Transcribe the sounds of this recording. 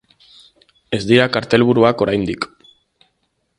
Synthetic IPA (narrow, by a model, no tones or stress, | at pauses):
e̞zd̪iɾakaɾt̪e̞lβ̞uɾuako̞ɾajnd̪ik